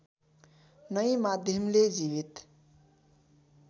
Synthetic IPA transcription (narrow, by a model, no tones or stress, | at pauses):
nʌimad̪ʱjʌmled͡ʒiβit̪